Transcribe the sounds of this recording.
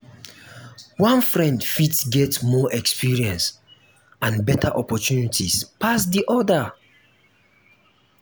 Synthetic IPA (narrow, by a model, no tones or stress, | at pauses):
wãnfɹɛ̃ndfitsɡɛtmɔʔɛkspiɹiɛ̃ns | ãnbɛtʰaʔɔpɔtunitʰispʰasdiʔɔdə